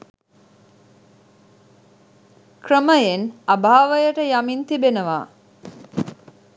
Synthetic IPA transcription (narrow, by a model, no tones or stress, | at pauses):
krəməjenabʱaːʋəjəʈəjamint̪ibenəʋaː